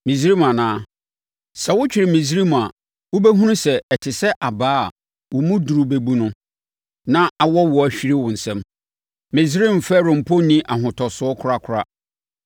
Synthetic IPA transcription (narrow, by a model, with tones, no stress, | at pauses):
mĩ˨sɾi˦mã˨nãː˨˦ | sɛ˨wʊ˦t͡ɕᶣɪ˨ɾɪ˨mĩ˨s̬i˦ɾi˦m̃˨a˨ | wʊ˦be˦ɦũ˦nʊ̃˦sɛ˨ɛ˨tʰɪ˨sɛ˦ʔa˨baː˦˨ | wʊ˨mũ˦du˨ɾu˨be˨bu˦nʊ̃˦ | nã˦a˨wɔ˦wɔ˨æ˨ɕᶣi˦ɾɪ˦wʊ̃˨n̩˨sɛ̃˦m | mɪ̃˨zi˦ɾi˦m̩˨fɛ˦ɾʊ̃˨m̩˨pʰo˦nĩ˦ʔa˨ɦʊ̃˨tʰɔ˨sʊ˦ɔ˦kʰʊ˦ɾa˦kʰʊ˨ɾa˦